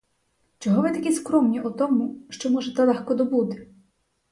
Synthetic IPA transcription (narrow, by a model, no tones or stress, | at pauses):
t͡ʃɔɦɔʋɪt̪ɐkʲiskɾɔmnʲiɔt̪ɔmuʃt͡ʃɔmɔʒɛt̪ɛlˠɛxkɔd̪ɔbut̪ɪ̥